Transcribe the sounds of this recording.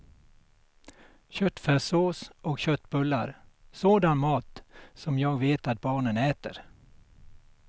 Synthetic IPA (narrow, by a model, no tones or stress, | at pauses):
ɕœt̪ːfæʂoːsɔkɕœt̪ːbɵlːaɾsoːd̪anmɑːt̪sɔmjɑːɡveːt̪at̪̚bɑːɳənɛːt̪ə̰ɾ